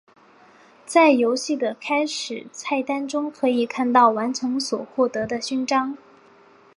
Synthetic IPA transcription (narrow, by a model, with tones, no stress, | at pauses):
t͡sa˥˩ɪjo˧˥ʊɕi˥˩d̪ə˩kʰa˥ɪʂɻ̩˨˩t͡sʰa˥˩ɪt̪a˥nʈ͡ʂʊ˥ŋkʰɤ˧˥i˨˩kʰa˥˧nt̪ɑ˥˩ʊwa˧˥nʈ͡ʂʰɤ˧˥ŋswɔ˨˩xwɔ˥˩t̪ɤ˧˥d̪ə˧ɕy˥˩nʈ͡ʂɑ˥ŋ